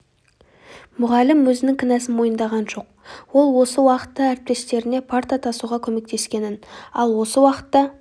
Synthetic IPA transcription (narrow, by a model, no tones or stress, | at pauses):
mʊʁɑlːɪmwɵzɪnɪŋkʲʰɪnæsɪnmo̞jənd̪ɑʁɑnʒo̞q̚ | wo̞lˠwo̞səwɑqə̥t̪ːəæɾɪp̚t̪e̞st̪e̞ɾɪne̞pʰaɾt̪ɑt̪ʰɑsuʁɑkʲʰɵme̞k̚t̪e̞skʲe̞nɪnɑlˠwo̞səwɑqə̥t̪ːɑ